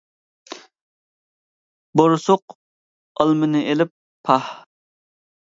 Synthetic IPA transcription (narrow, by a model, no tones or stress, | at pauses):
boɾʊsʊq | ɑlˠmɨnɨʔelɪp̚ʰː | ɑh